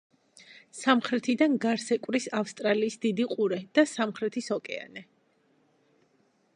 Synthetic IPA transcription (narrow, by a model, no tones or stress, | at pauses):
samχɾɛt̪ʰid̪anɡaɾsɛkʼwɾisafst̪ʼɾaliːsd̪̥id̪iqʼuɾɛd̪̥asamχɾɛt̪ʰisɔkʼɛa̰nɛ